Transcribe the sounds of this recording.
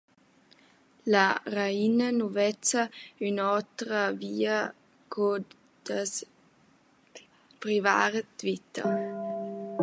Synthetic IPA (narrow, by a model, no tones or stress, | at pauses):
laɾainənuvɛt͡saynɔtɾəviːə | kʰɔ | d̥əs | pɾiva̰ːɾtvit̪ə̰